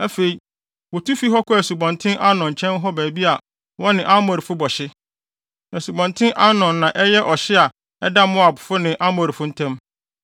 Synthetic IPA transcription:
æ˦fe˨i˨ | wɔ˨tʰu˦fi˦ɦɔ˦kʰʊ˦æ˨su˨bɔ̃˨ntʰɪ̃˦ʔa˦nɔ̃˨ɲ˨t͡ɕʰɛ̃˦n˦ɦɔ˦bæː˨bi˦a˨ | wɔ̃˦nɪ̃˨ʔa˦mɔ˨ɾi˨fʊ˦bɔ˨ɕɪ˦ | æ˨su˨bɔ̃˨ntʰɪ̃˦ʔa˦nɔ̃˨nːã˨ʔɛ˦jɛ˦ʔɔ˨ɕɪ˦a˨ | ɛ˦da˦mʊ̃˦a˨bʊ˨fʊ˦nɪ̃˨ʔa˦mɔ˨ɾi˨fʊ˦n̩˦tʰæ̃˦m

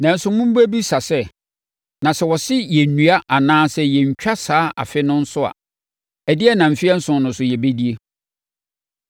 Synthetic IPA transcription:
nã˨˦n̩˦sʊ̃˦mũ˦m̩˦bu˦æ˦bi˦sa˨sɛ˦˨ | nã˨sɛ˦˨wɔ˨sɪ˦jɛ˨nũ˨a˦ʔa˨nãː˦sɛ˦jɛ˨ɲ̩˨t͡ɕᶣa˦saː˦ʔa̰˨fɪ˦nʊ̃˦n̩˦sʊ˦a̰˨ | ɛ˨dɪ˦ɛ˦nã˨m̩˨fɪ˦ɛ˦n̩˦sʊ̃˨nnʊ̃˨sʊ˨jɛ˨be˦di˦e˦

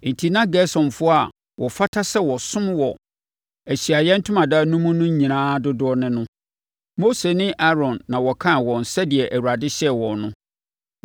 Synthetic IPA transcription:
n̩˨tʰi˨nã˦ɡɛ˦sɔ̃˨nfʊ˦a˨ | wʔɔ˨fa˦tʰa˦sɛ˦wɔ˨sʊ̃˦mwɔ˨ | æ˨ɕi˨a˨jɛ˦n̩˦tʰʊ̃˦mã˨daː˦nũ˦mũ˦nʊ̃˦ɲĩ˨nãː˦dʊ˦dʊ˦ɔ˦nɪ̃˦nʊ̃˦ | mo˦se˨nɪ̃˦ʔa˦ɾɔ̃˨nːã˨wɔ˨kʰã˦˨wɔ̃˨n̩˨sɛ˦dɪ˨ɛ˨ʔæ˨wu˨ɾa˨dɪ˦ɕɛ˦wɔ̃˨nʊ̃˦

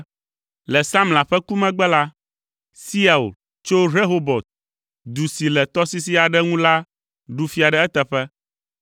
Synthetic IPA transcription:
lɛ˨sa˦mla˨ɸɛ˦ku˦mɛ̃˦ɡ͡bɛ˦la˦ | si˦a˨ṵ˨l | t͡ʃo˦ɾe˦ɦo˦bɔ˨t̪̚ | d̪u˨si˨lɛ˨t̪ɔ˦si˦si˦a˨ɖɛ˦ŋũ˦la˦ | ɖu˨fi˦a˨ɖɛ˨ɛ˦t̪ɛ˨ɸɛ˦

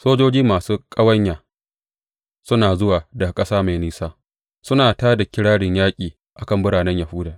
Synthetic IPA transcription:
soː˦d͡ʒoː˦d͡ʒiː˦maː˨suː˦kʼɐ˦wɐ˦ɲjaː˨ | sʊ˦naː˨zʊ˦waː˨da˨kʼɐ˦saː˦ma˨niː˦saː˦ | sʊ˦naː˨taː˦da˨kʲɪ˦ɽaː˦ɽɪ˨ɲjaː˦kʲʼiː˨ | ʔa˨kɐ˦˨mbʊ˦ɽaː˨nɛ˦ɲja˨huː˦daː˨

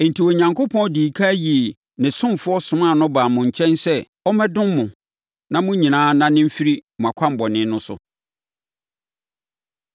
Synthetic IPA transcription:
n̩˨tʰi˨wo˨ɲã˨ŋko˦pʰɔ̃˦di˨kʰa˦ji˨ | nɪ̃˨sʊ̃˦mfʊ˦ɔ˦sʊ̃˨mã˦˨nʊ̃˦baː˨mʊ̃˨ɲ̩˨t͡ɕʰɛ̃˦nsɛ˦ | ɔ˦mɛ̃˦dʊ̃˦mmʊ̃˨ | nã˦mʊ̃˦ɲĩ˨nãː˨˦nã˦nɪ̃˦m̩˦fi˦ɾi˦mʊ̃˨a˨kʷʰã˦m˨bɔ˨nɪ̃˦nʊ̃˦sʊ̰˦

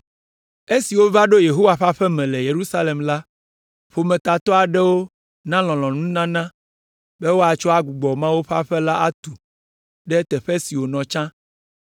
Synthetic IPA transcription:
e˦si˨wo˦va˦ɖo˦je˨ɦo˦wa˨ɸa˦ɸɛ˦mɛ̃˨lɛ˨je˨ɾu˦sa˦le˨mla˦ | ɸo˨mɛ̃˨t̪a˨t̪ɔ˦a˨ɖɛ˦wo˦ | nã˦lɔ̃˨lɔ̃˨nũ˦nã˦nã˦ | bɛ˦wo˦a˨t͡ʃɔ˦a˦ɡu˨ɡ͡bɔ˨mã˦wo˦ɸa˦ɸɛ˦la˦ʔa˦t̪u˨ | ɖɛ˦t̪ɛ˨ɸɛ˦si˨wo˨nɔ̃˨t͡ʃã˦

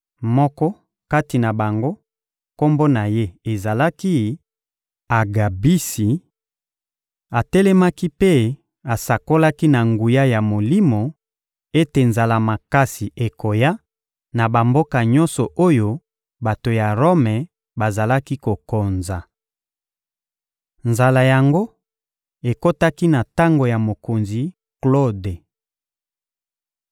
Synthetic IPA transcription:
mɔ˦kɔ˦ | ka˦ti˨na˨ba˨ŋɡo˦ | ko˦mbo˦na˨je˦e˨za˨la˦ki˦ | a˨ɡa˨bi˦si˨ | a˨tɛ˦lɛ˦ma˦ki˦pe˦ | a˨sa˨ko˦la˦ki˦na˨ŋɡu˨ja˦ja˨mo˨li˦mo˨ | e˦te˨nza˨la˨ma˨ka˦si˨ʔe˨ko˨ja˦ | na˨ba˨mbo˦ka˨ɲɔ˦nsɔ˨ʔo˦jo˦ | ba˨to˨ja˨ʁo˦mɛ˨ | ba˨za˨la˦ki˦ko˨ko˨nza˨ | nza˨la˨ja˨ŋɡo˦ | e˨ko˦ta˦ki˦na˨ta˦ŋɡo˨ja˨mo˨ko˨nzi˨ | klo˦de˨

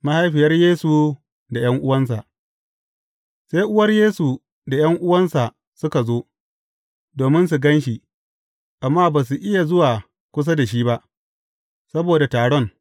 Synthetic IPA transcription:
ma˦ha˦jɸɪ˨jɐ˦rjeː˦su˨ | da˨j̰ɐ˦ŋʔʊ˦wɐ˦ns̬a̰˨ʔ | se˦jʔʊ˦wɐ˦rjeː˦su˨ | da˨jɐ˦ŋʔʊ˦wɐ˦nsa˨ | sʊ˦ka˨zoː˦ | doː˨mɪ˦ns̬u˨ɡɐ˦nʃi˨ | ʔa˨mːaː˦baː˨s̬u˨ʔɪ˦ja˨zʊ˦waː˨ | kʷʊ˦s̬a˦da˨ʃ̬iː˦ba˦ʔ | sɐ˦boː˨da˨taː˨ɽɔ˦˨ŋ

